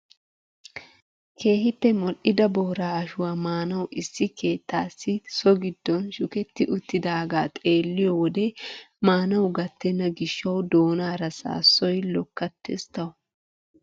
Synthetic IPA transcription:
kʰe̞ːhɪpːɛmɔlʔɪd̪ɐboːɾaːɐʃʊwaːmaːnɐwʔɪsːɪkʰe̞ːt̪ːaːsːɪsɔɡɪd̪ːɔnʃʊkɛt̪ːɪʔʊt̪ːɪd̪aːɡaːt̪ʼe̞ːlːɪjɔwɔd̪ɛmaːnɐwɡɐt̪ːɛnːɐɡɪʃːɐwd̪o̞ːnaːɾɐsa̰ːsːɔjlɔkːɐt̪ːɛst̪ɐwʊ

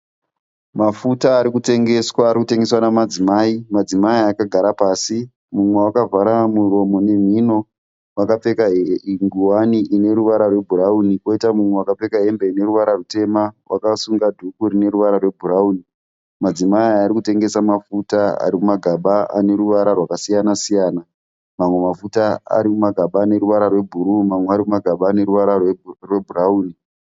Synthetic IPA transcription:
mafutaːɾikute̞ŋɡe̞swaːɾikute̞ŋɡeswanamad͡zimaːimad͡zimaiaːkaɡʱaɾapaːsi | mumwewakavaɾamuro̞mo̞ne̞m̤ino̞ | wakap͡fe̞kaɦeŋɡiwaniʔine̞ɾuʋaɾarwe̞bʱurauniko̞itamumwewakap͡fe̞kaɦe̞mbeine̞ruʋaɾarute̞mawʔa̰kasuŋɡadʱukuɾine̞ɾuʋaɾarwe̞bʱurauːni | mad͡zimaiaɾikute̞ŋɡe̞samafutaa̰ɾimumaɡʱaɓaa̰ne̞ɾuʋaɾarwakasijanasijaːna | mamwe̞mafutaa̰ɾimumaɡʱaɓaːne̞ɾuʋaɾarwe̞bʱuɾumamweaɾimumaɡʱaɓaːne̞ɾuʋaɾarwe̞bʱurauːni

